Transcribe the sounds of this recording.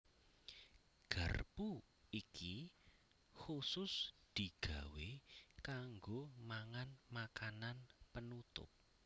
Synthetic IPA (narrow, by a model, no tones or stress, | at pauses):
ɡ̥a̤̰rbu | ikʰi | xusʊsd̪̥i̤ɡ̥a̤wekaŋɡomaŋanmakananpənut̪ʊ̰p̚